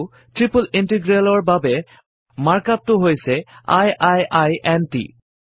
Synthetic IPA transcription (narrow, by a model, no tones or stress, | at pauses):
tɹipulintiɡɹalɔɹbabɛ | maɹkap̚tʊɦojsɛa̰jʔajʔajʔɛntḭ